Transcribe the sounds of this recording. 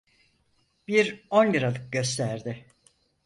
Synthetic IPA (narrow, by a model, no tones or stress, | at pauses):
b̥iɾo̞njɯɾalˠɯk̚ɟø̞s̬t̪ʰæɾd̪ɪ